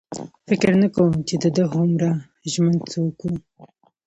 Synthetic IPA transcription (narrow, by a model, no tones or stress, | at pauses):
fɪkəɾnəkəwt͡ʃed̪əd̪əɦomɾa | ʒmənt͡soku